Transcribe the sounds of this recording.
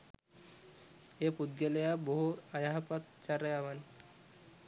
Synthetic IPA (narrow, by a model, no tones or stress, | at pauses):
epud̪jalejaboɦuajaɦapat̪t͡ɕaɾajaʋan